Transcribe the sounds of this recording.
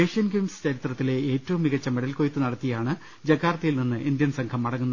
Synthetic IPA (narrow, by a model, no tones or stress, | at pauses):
eːʂijɐnɡimst͡ɕɐɾit̪rɐt̪ːile̞eːtːɐʋumːiɣɐt͡ɕːɐmeɽɐlkojt̪ːɨnɐɽɐt̪ːijaːɳɨ | d͡ʑɐɡʰʱːaːrt̪ːɐjilninːɨʔind̪jɐnsɐŋkʰɐmːɐɽɐŋːunːɐ